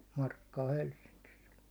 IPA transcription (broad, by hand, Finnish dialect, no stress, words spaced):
mɑrkːɑː helsːiŋkis